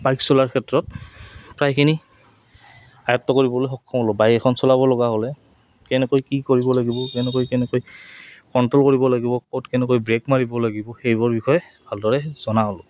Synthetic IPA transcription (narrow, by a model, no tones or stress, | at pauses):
bajksɔlaɹkʰɛtɹɔtpɹajkʰini | ajɔtːɔkoɹibɔlojxɔkʰːɔmɔlɔbajɛkʰɔnsɔlabɔlɔɡaɦolɛ | kɛnɛkojkikoɹibɔlaɡibɔkɛnɛkojkɛnɛkojkɔntɹɔlkoɹibɔlaɡibɔkotkɛnɛkojbɹekmaɹibɔlaɡibɔxejbɔɹbixɔjɛ | bʱaldɔɹɛz̥ɔnaɔlʊ